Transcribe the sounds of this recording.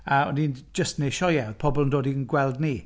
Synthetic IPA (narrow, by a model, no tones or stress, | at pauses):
əɔnind͡ʒəstnejʃɔjɛðpʰɔbɔlˠəndoːdiənɡwɛlˠdni